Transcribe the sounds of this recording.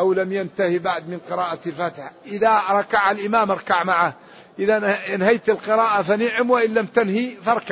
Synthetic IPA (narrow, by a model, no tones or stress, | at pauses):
ʔawlamjant̪ahibaʕd̪mɪnqɨɾɑːʔafat̪ħaʔɪðaɾˤɑkaʕalʔɪmaːmɑɾˤkaʕmaʕa | ʔɪðanhajt̪ɪlqɨɾɑːʔafanɪʕɪmwɪʔɪnːamt̪anhifɑɾˤkaʕ